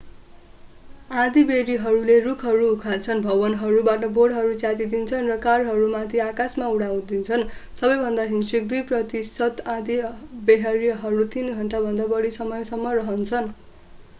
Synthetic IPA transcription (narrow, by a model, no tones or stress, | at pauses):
ãd̪ibeɽiɦʌɾulerukʰɦʌɾuukʰat͡sʰʌnbʱʌbʌnɦʌɾubaʈʌboɽɦʌɾut͡sjat̪id̪int͡sʰʌnrʌkarɦʌɾumat̪ʰiakasmauɽaw̃d̪int͡sʰʌnsʌbʌjbʱʌnd̪aɦinswik̚d̪ujprʌt̪isʌt̪ãd̪ibeɦaɾijɦʌɾut̪ʰinɡʱʌɳʈabʱʌnd̪abʌɽisʌmʌjsʌmːʌrʌɦʌnt͡sʰʌn